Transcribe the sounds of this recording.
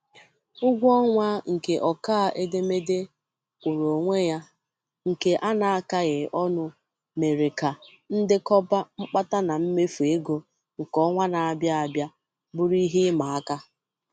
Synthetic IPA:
ʊ˦ɡʷɔ˦ŋʷa˦ŋ̩˨ke˨ʔɔ˨kaː˦˨ʔe˦de˦me˦dɪ˦ | kʷu˨ɾo˨ŋʷe˦ja˦ | ŋ̩˨ke˨ʔa˦na˨a˦ka˦ɣɪ˨ʔɔ˦nʊ˦ | me˨ɾe˨ka˨ | n̩˦dɪ˦kɔ˦ba˦ŋ͡m̩˦k͡pa˦ta˦na˨m̩˦me˦fu˨e˦ɡo˦ | ŋ̩˨kɔ˦ŋʷa˦na˨a˨bja˦a˨bja˦ | bʊ˦ɾi˦ɦɪ˦ma˨a˦ka˦

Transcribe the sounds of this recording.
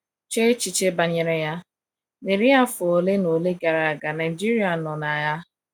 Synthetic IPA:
t͡ʃe˦t͡ʃi˨t͡ʃe˦ba˨ɲe˨ɾe˦ja˦ | ne˨ɾi˦a˦fʊ˨o˨le˦no˨le˦ɡa˨ɾa˨a˨ɡa˨na˨ɪ˨d͡ʒi˦ɾi˦a˨nɔ˨na˨ja˦

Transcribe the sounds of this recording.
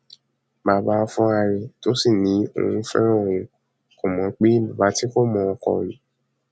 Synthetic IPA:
baː˨ba˧ɔ˧fũ˧a˧ɾe˧to˨˦si˦˨nĩ˨˦o̰˦˧ũ˧˦fɛ̰˦ɾ̃ɔ̃˦˨ĩ˨ | ko˨mɔ̃˨˦k͡pe˦lu˨ba˨˦ti˦ko˦˨mɔ̃˧ɔ˧kɔ̰˧ĩ˨

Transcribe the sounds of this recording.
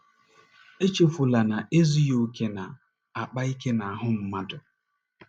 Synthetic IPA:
e˦t͡ʃe˦fʊ˨la˨na˨ʔe˦zi˦jo˦ke˦na˨ | a˨k͡pa˦i˦ke˦na˨a˨ɦʊ˦m̩˦ma˦dʊ˨

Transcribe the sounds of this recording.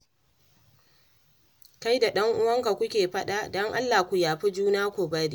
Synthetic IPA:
ka˦jda˨ɗɐ˦ŋʔʊ˦wɐ˦ŋka˨kʷʊ˦kʲeː˨ɸɐ˦ɗa˨dɔ˦ŋʔa˦lːaː˨kʷʊ˨jaː˨ɸi˦d͡ʒuː˦naː˦kʷʊ˨bɐ˦ɾi˦

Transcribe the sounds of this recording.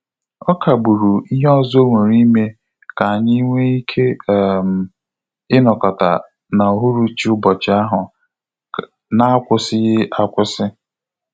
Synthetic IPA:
ɔ˦kʰa˨ɡ͡bu˨ɾu˨i˦ɦɔ˦zo˦ŋʷe˨ɾi˦me˦ | ka˨a˨ɲɪ˦i˦ŋʷe˦i˦kʰe˦˨m̩˨ | ɪ˦nɔ˨kɔ˨ta̰˨ | na˨o˨ɦu˦ɾu˦t͡ʃi˨˦ʊ˦bɔ˨t͡ʃɪ˨a˦ɦʊ˨ | na˦a˦kʷʊ˦sɪ˦ɣɪ˦ʔa˦kʷʊ˦sɪ˦

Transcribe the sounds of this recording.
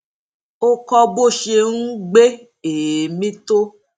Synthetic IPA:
o˦kɔ˧bo˦˨ʃe˧nũ˦ɡ͡be˦ | e˨mĩ˦to˦

